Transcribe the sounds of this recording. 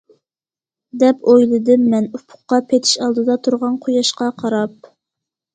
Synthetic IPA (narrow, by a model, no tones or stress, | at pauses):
d̪ɛpojlˠɨd̪ɨmːɛnupʰʊ̥qːɑpʰet̪ʰɪ̥ʃɑlˠd̪ɨd̪ɑt̪ʰuɾʁɑnqʰojɑʃqɑqʰɑɾɑp̚